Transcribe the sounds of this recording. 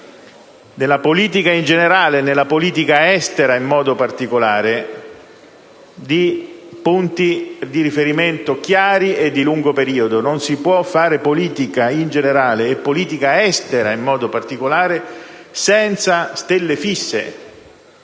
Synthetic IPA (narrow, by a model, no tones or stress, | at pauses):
nelapoliːt̪̬ikaind͡ʒeneɾaːlenelːapoliːt̪ikaɛst̪eɾaimːɔːd̪opart̪ikolaːɾe | d̪ipunt̪id̪iɾifeɾiment̪okjaːɾied̪ːiluŋɡopeɾiːod̪ononsipwɔfːaːɾepoliːt̪ikaind͡ʒeneɾaːleːpːoliːt̪ikaɛst̪eɾaimːɔːd̪opart̪ikolaːɾe | sɛnt̪sast̪elːefisːḛ